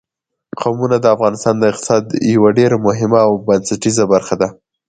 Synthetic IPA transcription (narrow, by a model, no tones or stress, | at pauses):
qawmunad̪əafɣɑnɪst̪ɑnd̪əɪqt̪ɪ̥sɑd̪jawaɖeɾmʊɦɪmaːwbansaʈizabaɾxad̪a